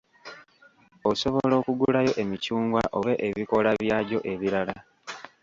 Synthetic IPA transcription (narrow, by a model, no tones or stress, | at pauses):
o̞so̞βolo̞ːkuɡulajo̞ʔe̞micuːŋɡwaʔo̞βe̞ʔeβiko̞laβjaːɟo̞ʔe̞βiɾala